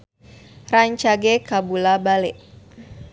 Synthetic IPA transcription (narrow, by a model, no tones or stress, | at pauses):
raɲt͡ʃaɡekabulabalɛʔ